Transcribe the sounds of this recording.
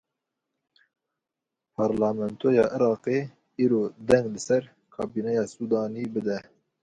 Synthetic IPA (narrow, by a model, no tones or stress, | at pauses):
pʰɑɾlɑmɛnt̪ʰojɑːʔɨɾɑːqeː | iːɾoːd̪ɛŋɡlɨsɛɾ | kʰɑːbiːnɛjɑːsuːd̪ɑːniːbɨd̪ɛ